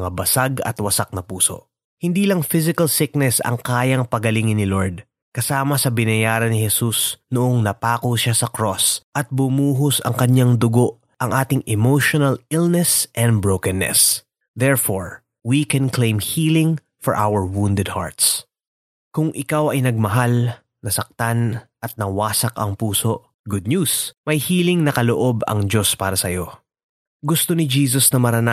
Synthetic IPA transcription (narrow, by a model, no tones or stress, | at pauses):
ŋabɐsaɡɐ̰t̪wɐsak̚nɐpuːso̞̰ʔ | hɪnd̪iːlɐŋfɪzɪkɐlsɪk̚nɛsɐ̰ŋkaːjɐŋpɐɡɐlɪŋɪnːɪloɹd̪̚ | kɐsaːmɐsɐbɪnɐjaːɾɐnɪhɛsusnoʔoŋnɐpaːkoʃasɐkɾo̞sʔɐt̪̚bʊmuːɦosɐ̰ŋkɐɲaŋd̪ʊɡo̞ʔ | ʔɐŋʔaːt̪ɪŋʔɛmowʃonɐlɪlnɛsʔɛnd̪̚bɹowkɛnːɛ̰s | d̪ɛɹfoɹ | wikɛnklẽjmhiːlɪ̃ŋ | fɔɹʔawəɹwund̪ɛd̪̚ha̰ɹt̪s | kʊŋʔɪkawɐjnɐɡ̚mɐɦal | nɐsɐk̚t̪anʔɐt̪̚nɐwaːsɐkɐŋpuːso̞ʔ | ɡʊd̪̚ɲjusmɐjhiːlɪŋnɐkɐloʔo̞bɐ̰ŋd͡ʒo̞spaːɾɐsɐjo̞ | ɡʊst̪onɪd͡ʒiːs̬osnɐmɐɾɐna